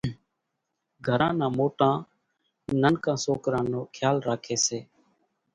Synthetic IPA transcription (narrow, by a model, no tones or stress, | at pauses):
ɡʱəɾãːnãːmoːʈãː | nənkãːsoːkɾãːnoːkʰjaːlɾaːkʰeːseː